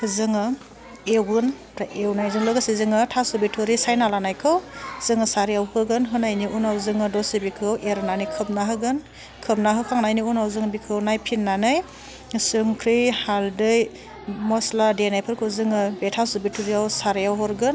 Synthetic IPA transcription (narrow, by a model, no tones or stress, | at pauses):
hɯzɯŋɯ | ewɡɯn | ɾaʔewnajzɯŋlɯɡɯsizɯŋɯtʰasubitʰuɾisajnalanajkʰɯwz̥ɯŋɯsaɾijawhɯɡɯnɦɯnajniʔunawzɯŋɯdɔsibikʰɯwʔeɾnanɯjkʰɯp̚naɦɯɡɯn | kʰɯp̚naɦɯkʰaŋnajniunawzɯŋbikʰɯwnajpʰinːanɯj | sɯŋkʰɾihaldɯj | mɔsladenajpʰɯɾkʰɯwzɯŋɯbetʰasubitʰuɾijawsaɾijawɦɔɾɡɯn